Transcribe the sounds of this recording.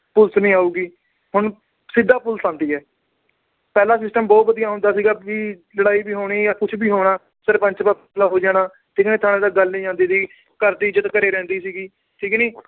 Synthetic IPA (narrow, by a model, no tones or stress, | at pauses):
pʊlsnĩːaːuːɡiː | hʊɳ | sɪd̪ːaːpʊlsãːnd̪iːɛː | pɛːlaːs̬ɪsʈəmbɔːt̪̚bəd̪ijaːɦʊ̃nd̪aːsiːɡaːʋiːləɽaːiːbiːɦoːɽ̃iːjaːkʊt͡ʃʰbiːɦoːɽ̃aː | səɾpə̃ɲt͡ʃpaːplaːɦoːd͡ʒaːɽ̃aː | ʈʰiːkniːt̪ʰaːnẽːd̪aːɡəlnĩːd͡ʒãːnd̪iːd̪iː | kəɾd̪iːd͡ʒət̪kəɾeːɾɛ̃ːnd̪iːsiːɡiː | ʈʰiːkniː